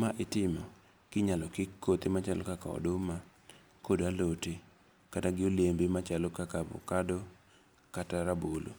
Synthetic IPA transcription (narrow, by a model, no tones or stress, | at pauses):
maʔɪtɪmɔ | kɪɲalɔkɪkːot̪emat͡ʃalɔkakaɔ̰dʊma | kodaloti | kataɡɪolembemat͡ʃalɔkakabʊ̰kado | kataɾabolo̰